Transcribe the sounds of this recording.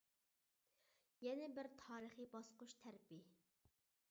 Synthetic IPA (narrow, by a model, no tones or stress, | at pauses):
jɛnɪbɪɾt̪ʰɑːɾəχibɑsqʊʃt̪ʰæɾpi